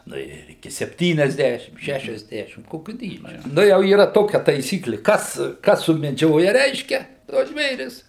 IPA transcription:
ˈnʊ ɪr ɪˈkʲɪ sʲɛpʲˈtʲiːnʲɛzʲˌdʲæʃʲɪm ˈʃʲæʃʲɛzʲˌdʲæːʃʲɪm ˈkoːkʲʊ ˈdʲiːd͡ʒʲʊ ˈnʊ jɛʊ iːˈrɐ ˈtoːkʲɛ tɐɪˈsʲiːklʲɪ ˈkɐs ˈkɐs sʊmʲɛˈd͡ʒʲoːjɛ ˈrʲɛɪʃʲkʲɛ tuɔs ˈʒʲʋʲeːrʲɪs

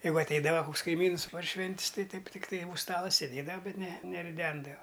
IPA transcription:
ˈjɛɪɡʊ ɐtʲˈɛɪdɐʋɐ ˈkʊks kɐɪˈmʲiːns pɐr ˈʃʲʋʲɛnʲtʲsʲ ˈtɐɪ ˈtɐɪp ˈtʲɪkˈtɐɪ uːʃ ˈstɑːlˠɐ sʲeːˈdʲeːdɐʋɐ ˈbʲɛt nʲɛ nʲɛrʲɪˈdʲɛndɐʋɐ

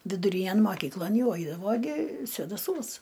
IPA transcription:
ʋʲɪdʊˈrʲiːnʲæn moːˈkʲiːklˠoːn ˈjɛʊ ˈɐɪdɐʋoː ɡʲɪ sʲʋʲeːdɐˈsuɔs

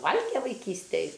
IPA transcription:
ˈʋɐlʲɡʲɛ ʋɐɪˈkʲiːsʲtʲɛj

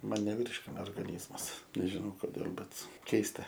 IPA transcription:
ˈmɐn nʲɛˈʋʲiːrʲʃʲkʲɪnɐ oːrɡɐˈnʲiːzmɐs nʲɛʒʲɪˈnɐʊ koːˈdʲeːlˠ bʲɛt ˈkʲɛɪstɐ

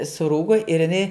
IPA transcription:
sʊˈruːɡoː ɪr ɪˈnɐɪ

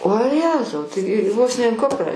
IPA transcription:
oː ˈjæːzɐʊ tɐɪ ˈʋoːs nʲɛ ɪn ˈkʊprɑː

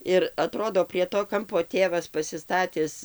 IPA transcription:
ɪr ɐˈtroːdoː pʲrʲiɛ toː ˈkɐmpoː ˈtʲeːʋɐs pɐsʲɪˈstɑːtʲɪs

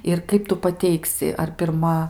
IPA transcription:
ɪr ˈkɐɪp tʊ pɐˈtʲɛɪksʲɪ ɐr pʲɪrˈmɐ

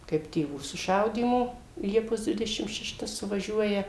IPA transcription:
kɐɪp tʲeːˈʋuː sʊˈʃɐʊdʲiːmoː ˈlʲiɛpoːs ˈdʲʋʲɪdʲɛʃʲɪm ʃʲɛˈʃtɐ sʊʋɐˈʒʲuɔjɛ

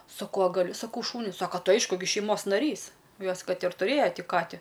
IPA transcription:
sɐˈkɐʊ ɐ ɡɐˈlʲʊ ˈsɑːkɐʊ ˈʃuːnʲʊ ˈsɑːkɐ ˈtɐɪ ˈɐɪʃkʊ ɡʲɪ ʃʲɛɪˈmoːs nɐˈrʲiːs ˈjoːs ˈkɐt ɪr tʊˈrʲeːjoː ˈtʲɪ ˈkɑːtʲɪ

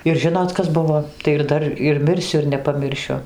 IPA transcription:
ɪr ˈʒʲɪnoːt ˈkɐs ˈbʊʋoː tɐɪ ɪr ˈdɐr ɪr ˈmʲɪrʲsʲʊ ɪr nʲɛpɐˈmʲɪrʲʃʲʊ

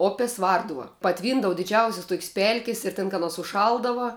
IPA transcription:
ˈoːpʲeːs ˈʋɐrdʊʋɐ pɐˈtʲʋʲiːndɐʋɐ dʲɪˈd͡ʒʲɛʊsʲɪs ˈtuɔkʲɪs ˈpʲɛlʲkʲɪs ɪr tʲɛn kɐt ˈɑːˌnoːs ʊʃˈʃɐlˠdɐʋɐ

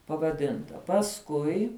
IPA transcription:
pɐʋɐˈdʲɪntɐ pɐsˈkʊɪ

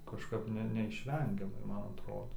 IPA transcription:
kɐʃˈkɐp nʲɛ nʲɛɪʃʲˈʋʲɛŋʲɡʲɛmɐɪ ˈmɐn ɐtˈroːdoː

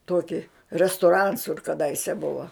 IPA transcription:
ˈtuɔkʲɪ rʲɛstʊˈrɐns kʊr kɐˈdɐɪsʲɛ ˈbʊʋɐ

